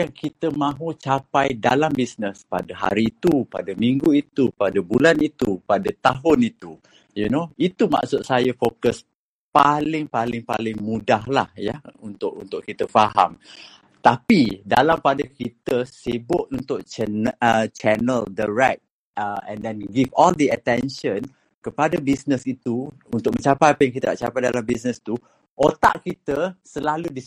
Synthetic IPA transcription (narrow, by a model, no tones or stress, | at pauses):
jaŋkit̪əmãɦut͡ʃapajdalambisnəspa̰dəɦa̰ɾiːt̪upa̰dəmiŋɡuit̪upadəbulanit̪upadət̪aɦʊnit̪u | junoit̪uma̰ʔsʊt̪̚sajəfokəs | palɪŋpalɪŋpa̰lɪŋmudahla̰hjaunt̪ʊʔunt̪ʊʔkit̪əfaɦa̰m | t̪apidalampadakit̪əsibʊʔ̪̚unt̪ʊʔ̚t͡ʃnt͡ʃɛnəldaɹɛk̚t̪̚ | əɛ̰̃ndɛ̃nɡivɔld̪əət̪ɛnʃə̃n | kəpadabisnəsit̪u | unt̪ʊk̚mə̃ɲt͡ʃapajpəŋkit̪ənaʔt͡ʃa̰pajdalambisnəst̪u | ʔot̪a̰ʔkit̪əsəlaludis